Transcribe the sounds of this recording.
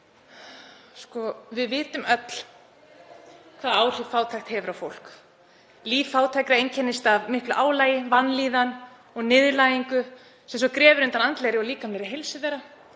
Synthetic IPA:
skɔvɪðvɪːt̪ʏmœt̪l̥ | kʰv̥aːðaːwr̥ɪkfaːwt̪ʰaxt̪hɛvʏɾawfowl̥k | liːffaːwt̪ʰajkɾaejɲcʰɛnːɪst̪avmɪhklʏʔaːwlaːjɪvanliːðan | ɔɣnɪːðlaːjiŋkʏ | sɛms̬ɔkɾɛːvʏɾʏ̃ɪnt̪anant̪lejɾɪɔɣliːkamlejɾɪɦejlsɪðɛɾa

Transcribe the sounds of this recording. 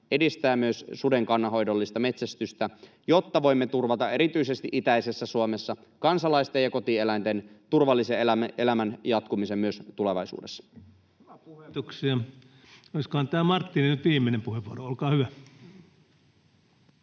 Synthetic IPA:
edist̪æːmyøssude̞ŋkɑnːɑɦo̞jdo̞lːist̪ɑme̞t̪sæst̪yst̪æ | jo̞t̪ːɑʋo̞imːe̞t̪urʋɑt̪ɑʔe̞ɾit̪yise̞st̪iʔit̪æise̞sːæsuome̞sːɑ | kɑnsɑlɑist̪ejɑko̞t̪ielæint̪ent̪urʋɑlːiselææʔe̞læmænjɑt̪kumisemmyøst̪ule̞ʋɑ̰jsṵːdesːɑ̥ | uuksiɑ | oiskohɑnt̪æːmɑrt̪ːininyt̪ʋiːmːˑenempuheʋʋuoroolkɑːhyʋæ

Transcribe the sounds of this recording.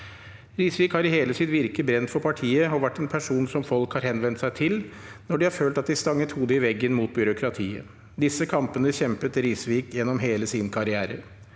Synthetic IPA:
ɾiːsʋiːkhɑɾɪheːləsɪt̪ʋɪɾkəbɾɛnt̪fɔɾpʰɑʈʰiːəɔʋæʈːɛnpʰæʂuːnsɔmfɔlkhɑːɾhɛnʋɛnt̪sæɪt̪ʰɪlnɔɖɪhɑɾføːlt̪ɑt̪̚d̪ɪst̪ɑŋːət̪huːd̪əɪʋɛɡːənmuːt̪̚bʏɾʊkʰɾɑt̪ʰiːə̰ | d̪ɪsəkʰɑmpənəçɛmpət̪ɾiːsʋiːkjɛnːɔmɦeːləsiːnəkʰɑɾɪæːɾə̰ɾ

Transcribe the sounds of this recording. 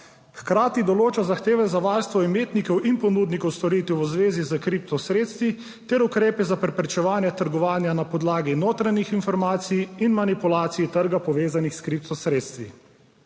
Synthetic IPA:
xkɾaːt̪id̪ɔloːt͡ʃazaxt̪eːʋɛzaʋaːɾst̪ʋɔimeːt̪nikɔwʔinpɔnuːd̪nikɔwst̪ɔɾiːt̪uuzʋeːzizəkɾip̚t̪ɔsɾeːt̪st̪ʋi | t̪ɛɾukɾeːpɛzapɾɛpɾɛt͡ʃɛʋaːnjɛt̪əɾɡɔʋaːnjanapɔd̪laːɡinoːt̪ɾanixinfɔɾmaːt̪sijinmanipulaːt̪sijit̪əɾɡapɔʋeːzanixskɾip̚t̪ɔsɾeːt̪st̪ʋḭ

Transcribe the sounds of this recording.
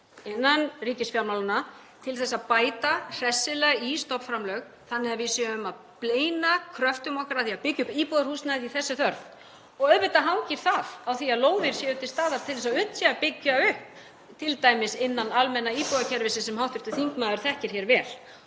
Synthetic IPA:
ɪnːanriːcɪsfjawnawlana | t̪ʰɪlθɛsːaðpaːjt̪ar̥ɛsːɪlɛɣist̪ɔpfɾamlœɥɣ | θanːɪavisiʏʏmað | pleːjnakʰɾœft̪ʏmɔhkaɾaθiaðpɪcːʏpiːpɔðaɾhuːsnajðiθɛsːʏθœɾθ | ɔɣœðvɪt̪aɦawcɪɾ̥θaðawθiaðloːwðɪɾ̥sjɛːʏt̪ɪlst̪aːðaɾ̥t̪ʰɪlθɛs̬aʏn̥t̪sɛapɪcːaʏhp | t̪ʰɪlt̪aːjmɪsɪnːanalmɛnːaiːpɔðacʰɛɾvɪsɪsɛmhawht̪vɪɾt̪ʏθiŋkmaːðʏɾ̥θɛhcɪɾ̥çɛɾvɛːl̥

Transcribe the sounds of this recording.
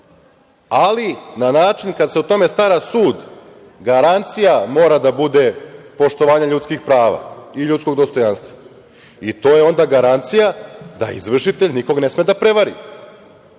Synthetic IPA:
alinanaːt͡ʃinkad̪seut̪o̞me̞st̪aɾasuːd̪ | ɡaɾant̪sijamo̞ːɾad̪abud̪e̞po̞ʃt̪o̞ʋaːɲaʎut̪skixpɾaːʋa̰iʎut̪sko̞ɡ̚d̪o̞st̪o̞janst̪ʋa | it̪o̞ːjeo̞nd̪aɡaɾant̪sijad̪a̰ḭzʋr̩ʂit̪eʎniko̞ɡne̞smed̪apɾe̞ʋaɾḭ

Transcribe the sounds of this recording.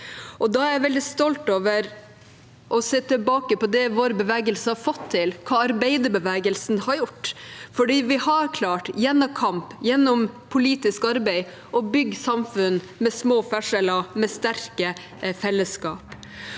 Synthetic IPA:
ʔɔd̪ɑæɾjæɪʋɛld̪ɪst̪ɔlt̪oːʋəɾ | ʔɔseːt̪ʰɪlbɑːkəpɔd̪ɛʋoːɾbəʋɛːɡəlsəhɑɾfɔt̪ʰːɪlkʰɑːɑɾbæɪd̪əbəʋɛːɡəlsnhɑɾjʊʈːfɔɖiːʋɪhɑɾkʰlɑːʈjɛnːɔkʰɑmpjɛnːɔmpʰʊliːt̪ɪskɑɾbæɪ | ʔɔbʏɡːsɑmfʉn | mɛsmoːfæʂɛlɑmɛst̪æɾkə | fɛlːəskɑːp

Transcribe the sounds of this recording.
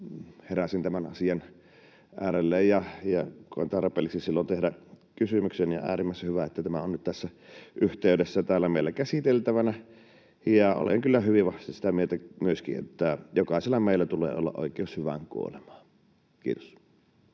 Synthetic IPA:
heræsint̪æmænɑsiɑn | ʔæːɾelːejjɑjɑkoent̪ɑrpˑḛːlːiksisilːont̪ehdækysymyksenjɑ̰æ̰ːrimːˑæˑshyʋæet̪ːæt̪æmæonnyt̪t̪æsːæʔyht̪eydesːæt̪æːlːæmeˑilːækæsit̪elt̪æʋænæ | jɑo̰lḛŋkylːæhyʋiʋʋɑht̪isi̥t̪æmielt̪æmyøskḭʔḛt̪ːæjokɑˑeselːɑmeˑilːæt̪ulḛːo̰lːɑ̰ʔo̰ˑikˑeˑoshyʋæ̰ŋkṵo̰lemɑː | kḭːt̪o̥s

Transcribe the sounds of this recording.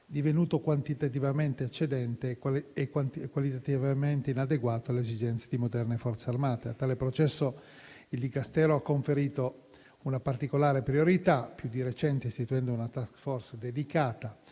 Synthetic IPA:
d̪ivenuːt̪okwant̪it̪at̪̬ivament̪eat͡ʃːed̪ɛnt̪eːkwankwalit̪at̪ivament̪einad̪eɡwaːt̪oalːezid͡ʒɛnt̪sed̪imod̪ɛrnefɔrt̪searmaːt̪eat̪ːaːlepɾot͡ʃɛsːo | ild̪ikast̪ɛːɾoakːoɱfeɾiːt̪o | unapart̪ikolaːɾepɾioɾit̪apːjud̪iɾet͡ʃɛnt̪eist̪it̪uɛnd̪ounat̪askfɔrsd̪ed̪ikaːt̪a

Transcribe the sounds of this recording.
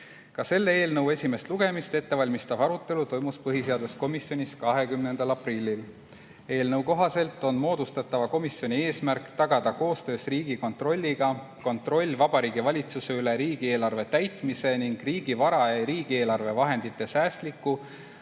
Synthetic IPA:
kɑse̞lːee̞ːlnɤwe̞sʲime̞st̪luɡ̥e̞mist̪e̞t̪ːe̞vɑlʲmist̪ɑbɑɾut̪ːˑe̞lut̪o̞jmuspɤɦise̞ɑd̪̥usko̞misjo̞nʲiskɑɦe̞kymne̞nd̪̥ɑlɑprilʲːil | e̞ːlnɤwko̞ɦɑse̞lt̪ːˑo̞nmo̞ːd̪̥ust̪ɑt̪ːɑvɑko̞misjo̞nʲie̞ːsmærkˑt̪ɑɡ̥ɑd̪̥ɑko̞ːst̪ø̞ːsriːɡiko̞nt̪ro̞lʲːiɡ̥ɑ | ko̞nt̪ˑro̞lʲːvɑb̥ɑɾiːɡivɑlʲit̪suse̞yleɾiːɡ̥ie̞ːlɑrve̞t̪æjt̪ˑmise̞niŋɡ̥riːɡ̥ivɑɾɑeɾiːɡ̥ie̞ːlɑrve̞vɑɦe̞nd̪̥it̪ːˑe̞sæːst̪likːˑu

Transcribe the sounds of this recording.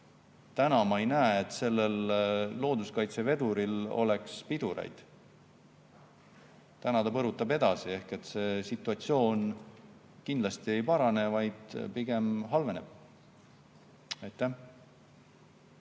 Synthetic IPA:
t̪ænɑmɑejnæeet̪ˑse̞lːe̞lːo̞ːd̪uskɑjt̪se̞ve̞d̪̥uɾilo̞̰le̞kspid̪uɾḛjd̪̥ | t̪ænɑt̪ɑpɤɾut̪ːˑɑbe̞d̪̥ɑsie̞hke̞t̪ːˑse̞ːsit̪ːˑuɑt̪sio̞ːn | kind̪lɑst̪ie̞jpɑɾɑne̞vɑjd̪̥piɡ̥e̞mɦɑlve̞ne̞̰b̥ | ɑjt̪ˑːæh

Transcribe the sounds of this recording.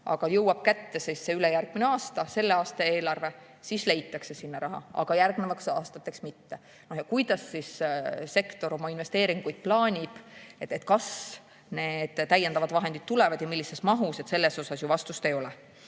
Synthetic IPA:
ʔɑ̰ɡ̥ɑjɤwɑb̥̚kæt̪ːe̞sisːeylejærɡ̥̚mineɑːst̪ɑse̞lːe̞ɑːst̪ɑeːlɑrve̞ | sisle̞jt̪ːˑɑkse̞sinːɑɾɑɦɑ̰ɑ̰ɡ̥ɑjærɡnevɑksɑːst̪ɑt̪ːˑeksmit̪ːe̞ | no̞hjɑkujd̪̥ɑsːisse̞kt̪o̞ɾo̞mɑinve̞st̪e̞ːɾiŋɡ̥ujd̪̥̚plɑːnʲib̥et̪ːet̪kɑs | ne̞ːd̪̥t̪ːæjːe̞nd̪ɑvɑd̪̥vɑɦe̞nd̪it̪̚t̪ːule̞vɑd̪jɑmilːise̞smɑɦuset̪se̞lːe̞so̞sɑsjuvɑst̪ust̪e̞jo̞lɛ

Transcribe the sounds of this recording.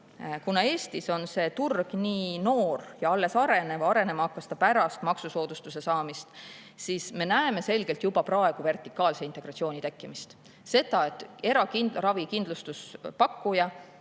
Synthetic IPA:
kunɑe̞ːst̪iso̞nse̞t̪urɡ̥niːno̞ːrjɑɑlːe̞sɑɾe̞ne̞vɑɑɾe̞ne̞mɑɑkːɑst̪ɑpæɾɑst̪mɑksuso̞ːd̪̥ust̪use̞sɑːmist̪ | siːsme̞næeme̞se̞lɡ̥e̞lt̪jubɑprɑe̞ɡ̥uve̞rt̪ˑikːˑɑːlse̞int̪ˑe̞ɡ̥rɑt̪sio̞ːnʲit̪e̞kːˑimist̪ | se̞d̪̥ɑe̞t̪ːˑe̞ɾɑkinrɑvikind̪lust̪uspɑkːujɑ

